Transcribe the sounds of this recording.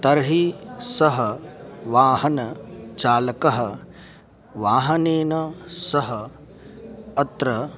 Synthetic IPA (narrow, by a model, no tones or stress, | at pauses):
t̪ɐɾɦisɐɦɐʋaːɦɐnɐt͡ʃaːlɐkɐɦɐ̆ | ʋaːɦɐneːnɐsɐɦɐ | ɐt̪ɾɐ